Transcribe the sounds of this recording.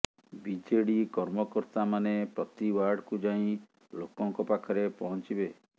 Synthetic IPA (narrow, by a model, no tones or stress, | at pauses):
bid͡ʒeɽikɔɾmɔkɔɾt̪amanepɾɔt̪iwaɾɖkud͡ʒaĩ | lokɔŋkɔpakʰɔɾepɔɦɔnt͡ʃibe